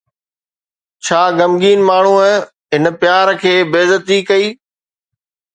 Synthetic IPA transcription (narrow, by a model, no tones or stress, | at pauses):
t͡ɕʰaːɡɐmɡiːnmaːɳ̤u | ɦɪnpjaːɾkʰeːbeːzət̪ikɐiː